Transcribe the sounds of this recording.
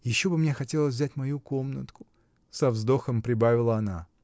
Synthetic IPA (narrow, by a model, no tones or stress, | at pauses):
jɪɕːo̞bɨmnʲexɐtʲe̞lˠəs̬ʲvzʲætʲmɐjuko̞mnət̪kʊ̥ | sɐvzd̪o̞xəmpɾʲɪbavʲɪlˠəɐna